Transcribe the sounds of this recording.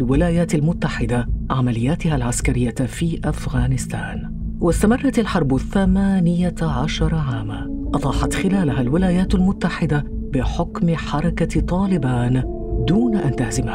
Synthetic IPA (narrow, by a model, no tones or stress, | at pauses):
lwɪlaːjaːt̪almʊt̪ːaħɪd̪aʕamalɪjːaːt̪ɪhalʕaskaɾɪjːafiːʔafɣaːnɪst̪aːn | wʔast̪amɑrˤːɑt̪alħɑɾˤbθamaːnɪjaʕaʃɑɾˤɑʕaːma | ʔɑd̪ˤɑːħɑt̪xɪlaːlaɦalwɪlaːjaːt̪almʊt̪ːaħɪd̪a | bɪħʊkmɪħɑɾˤɑkat̪ˤɑːlɪbaːn | d̪uːnaʔant̪ahzɪmha